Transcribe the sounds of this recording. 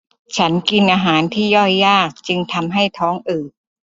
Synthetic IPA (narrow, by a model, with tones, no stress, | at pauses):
t͡ɕʰa˦˥nki˧nʔaː˧ɦaː˩˦nt̪ʰiː˥˩jɔ˥˩jːaː˥˩k̚t͡ɕɯ˧ŋt̪ʰa˧mɦa˥˩jt̪ʰɔː˦˥ŋʔɯː˨˩t̚